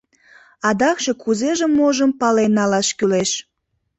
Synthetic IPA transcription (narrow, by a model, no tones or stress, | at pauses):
ɑd̪ɑkʃekʰuzeʒemːoʒəmpɑlenːɑlɑʃkyleʃ